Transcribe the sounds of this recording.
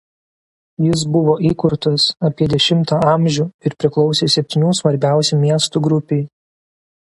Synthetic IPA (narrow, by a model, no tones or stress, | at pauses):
jɪs̬bʊʋoːʔiːkʊɾt̪ɐsɐpʲiɛd̪ʲɛʃʲɪmt̪ɑːɑˑmʲʒʲuːɪɾpʲɾʲɪklˠɒʊsʲeːsʲɛpʲt̪ʲinʲuːsʋɐɾʲbʲæˑʊsʲɛmʲiɛst̪uɡɾʊpʲeː